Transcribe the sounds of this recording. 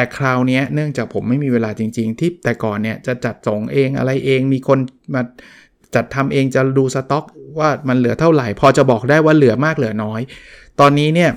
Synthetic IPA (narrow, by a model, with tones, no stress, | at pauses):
t̪ɛː˨˩kʰɾaː˧wni˦˥ɐnɯ˥˩əŋt͡ɕaː˨˩k̚pʰo˩˦mːa˥˩jmiː˧weː˧laː˧t͡ɕi˧ŋt͡ɕi˧ŋt̪ʰi˥˩p̚t̪ɛː˨˩kɔː˨˩nːi˥˩ɐt͡ɕa˨˩t͡ɕa˨˩t̪̚so˩˦ŋʔeː˧ŋʔa̰˧ɾa˧jʔeː˧ŋmiː˧kʰo˧nmaː˧ | t͡ɕa˨˩t̪ʰːa˧mʔeː˧ŋt͡ɕa˨˩duː˧sa˧t̪ɔ˦˥k̚waː˥˩ma˧nlɯ˨˩˦ɐt̪ʰa˥˩wɾa˨˩jpʰɔː˧t͡ɕa˨˩bɔː˨˩k̚daː˥˩jwaː˥˩lɯ˩˦ɐmaː˥˩k̚lɯ˩˦ɐnɔː˦˥jt̪ɔː˧nːiː˦˥ni˥˩ɐ